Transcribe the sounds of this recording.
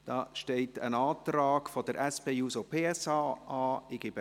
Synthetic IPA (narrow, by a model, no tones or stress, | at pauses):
d̥ɑːʃtɛɪtə̰nɑːtrɑːɡ̥fod̥əɾʔɛspeːuːsopʰeːɛsɑːɑːɪɡ̥ɪb